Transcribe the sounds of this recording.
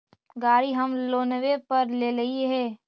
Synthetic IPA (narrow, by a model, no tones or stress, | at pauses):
ɡaːɾiɦɐmloːnəʋepɐɾleːlɐɦiɦɛː